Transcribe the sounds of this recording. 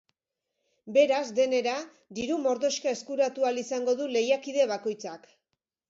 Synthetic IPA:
be̞ɾazd̪e̞ne̞ɾa | d̪iɾumo̞ɾðo̞ʃkae̞skuɾat̪ualisaŋɡo̞ðule̞jakiðe̞βako̞jt͡sak

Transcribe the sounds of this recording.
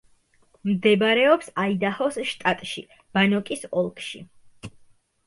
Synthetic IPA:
md̪ɛbɾɛɔpsaid̪ahɔsʃt̪ʼat̪ʼʃḭ | b̥anɔkʼisɔlˠkʼʃḭ

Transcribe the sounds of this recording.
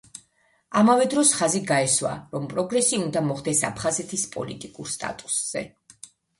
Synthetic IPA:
amavɛd̪ɾɔsχaziɡaɛswa̰ɾɔmpʼɾɔɡɾɛsiund̪amɔχd̪ɛsapʰχazɛt̪ʰispʼɔ̰lḭt̪ʼikʼuɾst̪ʼa̰t̪ʼu̥sz̥ɛ̰

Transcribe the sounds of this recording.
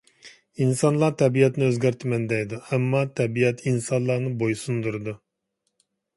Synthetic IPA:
insɑnlˠɑɾt̪ʰɛbijɛt̪nɪøzɡʲæɾt̪ʰɪmɛnd̪ɛjd̪uɛmːɑt̪ʰɛbijɛt̪ʰinsɑnlˠɑnɨbojsund̪uɾɨd̪u

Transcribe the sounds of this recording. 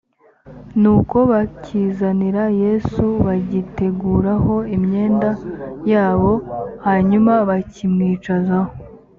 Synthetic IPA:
nuːko̞βaciːzaniɾaje̞suβaɟite̞ɡuːɾaho̞imɲe̞ːndajaːβo̞haɲumaβacimŋiːt͡ʃazaho

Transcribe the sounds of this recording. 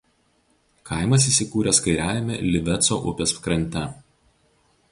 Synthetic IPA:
kʰɑˑɪmɐs̬iːˑsʲɪkuːɾʲɛskɐɪɾʲæˑːʋʲɪmʲḛlʲɪʋʲɛt̪soːʔʊ̰pʲeːsfkɾɐnʲˑt̪ʲɛ

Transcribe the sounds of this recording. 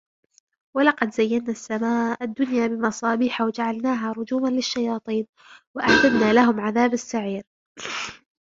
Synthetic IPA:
walɑqɑd̪zajːanːaːsːamaːad̪ːʊnjaːbɪmɑsˤɑːbiːħawad͡ʒaʕalnaːɦaːɾˤʊd͡ʒuːmanlɪʃːajɑːt̪ˤiːn | waʔaʕd̪ad̪naːlaɦʊmʕaðaːbasːaʕiːɾ

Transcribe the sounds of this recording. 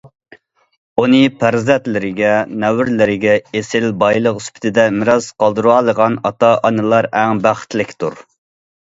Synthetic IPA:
unɨpʰæɾzɛt̪lɪɾɪɡʲɛnɛwɪɾlɪɾɪɡʲɛesɪlbɑjlˠəqyspʰɪ̥t̪ʰɪd̪ɛmɪɾɑz̥qɑlˠd̪ɨɾuɑlˠəʁɑnɑt̪ɑʔɑnɨlˠɑɾæŋbæχɪ̥t̪lɪkʲt̪ʰuɾ

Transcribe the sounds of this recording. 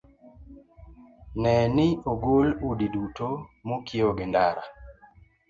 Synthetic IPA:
nɛnɪoɡoludidutomokʰioɡɪndaɾa̰

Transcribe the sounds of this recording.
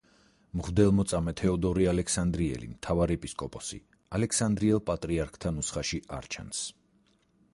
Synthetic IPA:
mʁvd̪ɛlˠmɔt̪sʼamɛt̪ʰɛɔd̪ɔɾialɛksand̪ɾiɛ̰lḭmt̪ʰavaɾiɛpʼiskʼɔpʼɔsḭ | alɛkʰsand̪ɾiɛlˠpʼat̪ʼɾiaɾkʰt̪ʰanusχaʃiʔa̰ɾt͡ʃʰa̰ns

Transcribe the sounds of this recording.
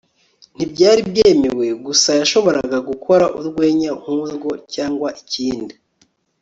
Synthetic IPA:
n̥ibɟaːɾibjeːme̞we̞ɡusajaʃo̞βo̞ɾaɡaɡukʰo̞ɾaʔuɾɡwe̞ːɲahuzɡo̞caːŋɡwaʔiciːndi

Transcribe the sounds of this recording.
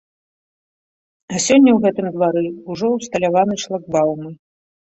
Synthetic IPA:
ɐsʲɔnʲːɐwɣɛt̪ɨmd̪vaɾɨuʐɔwst̪ɐlʲavanɨʂlˠaɡ̚bawmɨ

